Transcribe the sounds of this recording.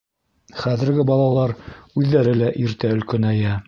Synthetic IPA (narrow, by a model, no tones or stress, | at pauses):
χæðɘ̆ɾɡɘbɑlˠɑlˠɑɾʉðːæɾɘlæʔiɾt̪æɵ̆lkɵnæjæ